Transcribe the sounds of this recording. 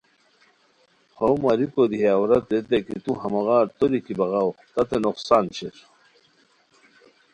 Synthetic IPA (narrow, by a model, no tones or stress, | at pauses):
howmɐɾikod̪iɦaːwɾɐt̪et̪ekit̪uɦɐmɐɣaːɾt̪oɾikibɐɣɑwt̪ɐt̪enoqsaːnɕeɾ